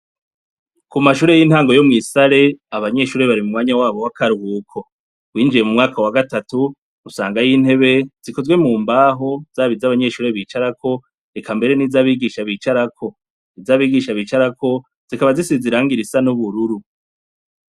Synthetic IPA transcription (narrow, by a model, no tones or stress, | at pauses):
kumaʃuːɾe̞jin̥haːŋɡo̞jo̞mŋiːsaɾe̞aβaɲe̞ʃuːɾe̞βaɾimumŋwaːɲawaːβo̞wakaɾuhuːkʰo̞ | wiːnd͡ʒije̞mumŋaːkawaɡatatu | usaːŋɡajiːn̥he̞βe̞z̥iko̞zwe̞muːmbaːɦo̞z̥aːβizaβaɲe̞ʃuːɾe̞βiːt͡ʃaɾakʰo̞ | ekʰambe̞ɾe̞nizaːβiːɡiʃaβiːt͡ʃaɾakʰo̞ | izaːβiːɡiʃaβiːt͡ʃaɾako̞ | z̥ikaβazisiziɾaːŋɡiɾisanuβuɾuɾu